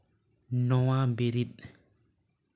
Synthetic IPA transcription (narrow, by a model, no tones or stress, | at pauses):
nɔwambeɾiɗ̚